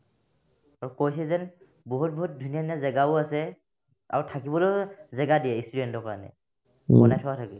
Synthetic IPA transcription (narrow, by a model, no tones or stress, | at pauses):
aɹukojsɛzɛn | boɦut̚bɔɦut̚dʱunijaniazɛɡaʊasɛ | a̰ɹutʰakibɔlojzɛɡadiɛistudɛntɔka̰anɛ̰ | ɔnajtʰɔatʰaki